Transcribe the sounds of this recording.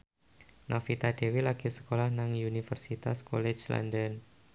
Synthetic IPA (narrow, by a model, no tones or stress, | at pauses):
nʔɔfit̪ad̥ewilaɡ̥isə̥kolahnaŋunifərsit̪askolɛt͡ʃla̰ndən